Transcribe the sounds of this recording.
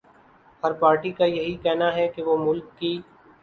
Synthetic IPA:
hɐɾpaːɾʈikajɐɦikɛɦnaɦɛkeʋomʊlkːi

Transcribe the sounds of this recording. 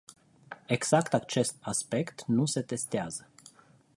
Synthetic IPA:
e̞ɡz̥akt̪at͡ʃe̞st̪̚aspe̞kt̪nuse̞t̪e̞st̪eazə

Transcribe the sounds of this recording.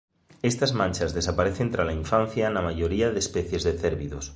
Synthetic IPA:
est̪azmãnʲt͡ʃazðesapaɾeθent̪ɾalaiɱfan̟θjanamaʝoɾiaðespeθjezðeθeɾβiðos

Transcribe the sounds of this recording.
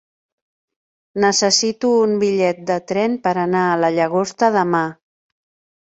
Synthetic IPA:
nəsəsit̪uːmbiʎɛt̪̚d̪ət̪ɾɛnpəɾənaələʎəɣost̪əðəma

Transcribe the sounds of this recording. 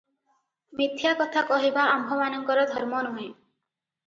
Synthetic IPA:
mit̪ʰjakɔt̪ʰakɔɦibaambʱɔmanɔŋkɔɾɔd̪ʱɔɾmɔnuɦẽ

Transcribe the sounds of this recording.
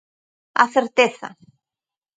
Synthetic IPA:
a̰θɛɾt̪eθa̰

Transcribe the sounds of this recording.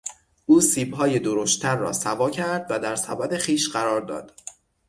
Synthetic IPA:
ʔuːsiːbɦɒːje̞d̪oɾoʃt̪t̪ʰæɾːɒ̰ːsævɒːcʰæɾd̪væd̪æɾsæbæd̪e̞χiːʃɢæɾɒːɾd̪ɒ̰ːd̪̥

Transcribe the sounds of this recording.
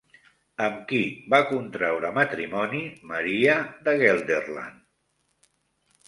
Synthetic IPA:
əmkibakunt̪ɾɛwɾəmət̪ɾimɔniməɾiəðəɣɛlˠd̪erla̰n

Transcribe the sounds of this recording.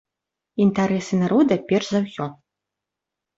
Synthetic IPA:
int̪aɾɛsɨnaɾɔd̪ɐpʲɛrʂzawsʲɔ

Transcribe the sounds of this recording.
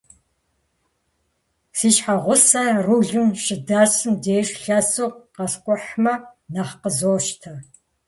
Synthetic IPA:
siːʃħaʁʷʊsɐruːɮɨmʃɪdaːɕɨmdeːʂɬɐsoːqqɐɬkʷʼʊħmɐnaχqəzoːʃtʰɐ

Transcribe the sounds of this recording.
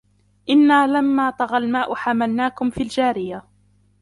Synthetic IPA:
ʔɪnːaːlamːaːt̪ˤɑɣalmaːʔʊħamalnaːkʊmfiːld͡ʒaːɾɪja

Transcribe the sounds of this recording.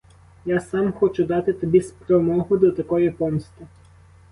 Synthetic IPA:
jasɑmxɔt͡ʃʊd̪ɑt̪ɪt̪ɔbʲispɾɔmɔɦʊd̪ɔt̪ɐkɔjipɔmst̪ɪ

